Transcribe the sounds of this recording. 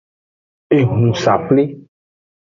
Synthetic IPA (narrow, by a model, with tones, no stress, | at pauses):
e˨ŋũ˨sa˨ple˦